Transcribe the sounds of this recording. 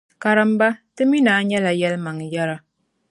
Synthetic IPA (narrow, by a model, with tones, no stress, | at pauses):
ka˨ɾɨ˦m˦ba˦tɨ˦mi˦naː˨˦ɲɛ˦la˨jɛ˦lma˨ŋjɛ˦ɾa˦